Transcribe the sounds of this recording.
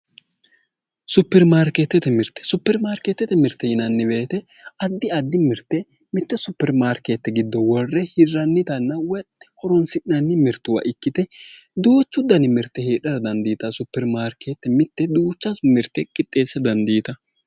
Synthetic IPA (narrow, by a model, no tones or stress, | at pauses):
sʊpːɛɾmaːɾket̪ːɛt̪ɛmɪɾt̪ɛ̥sʊpːɛɾmaːɾket̪ːɛt̪ɛmɪɾt̪ːɛjɪnɐnːɪbeːt̪ɛ | ɐd̪ːɪɐd̪ːɪmɪɾt̪ːɛ | mɪt̪ːɛsʊpːɛɾmaːɾkeːt̪ːɛɡɪd̪ːɔwɔrːɛhɪɾɐnːɪt̪ɐnːɐwɛt̪ːɛ̥hɔɾɔnsɪɪnɐnːɪmɪɾt̪ːʊwɐ̰ʔɪkːɪt̪ɛ | d̪uːt͡ʃːʊd̪ɐnɪmɪɾt̪ːɛheːᶑɐɾɐd̪ɐnd̪iːt̪ɐsʊpːɛɾmaːɾkʰet̪ːɛmɪt̪ːɛd̪uːt͡ʃːɐmɪɾt̪ːɛkʼɪt̪ʼːe̞ːsːɛd̪ɐnd̪iːt̪ɐ